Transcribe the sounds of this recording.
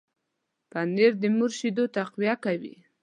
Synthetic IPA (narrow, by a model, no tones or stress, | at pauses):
pand̪eɾd̪əmuɾʃid̪ot̪aqwijakawḭ